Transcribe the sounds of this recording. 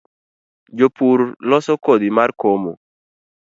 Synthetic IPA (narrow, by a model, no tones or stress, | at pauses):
d͡ʒopuɾlɔsɔkod̪imarkomo